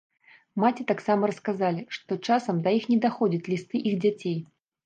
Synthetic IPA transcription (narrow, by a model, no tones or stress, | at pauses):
mat͡sʲit̪aksamɐɾɐskazalʲiʂt̪ɔt͡ʂasɐmd̪ɐjixnʲɛd̪axɔd͡zʲɐt͡sʲlʲist̪ɨʔiɣd͡zʲat͡sʲej